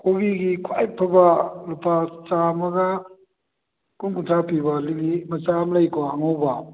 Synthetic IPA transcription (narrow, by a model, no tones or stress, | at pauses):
kʰobiɡikʰajpʰəbalupʰat͡ʃamaɡa | kunɡuntʰapʰibaliɡimat͡ʃamlajkʰɔaŋɔwba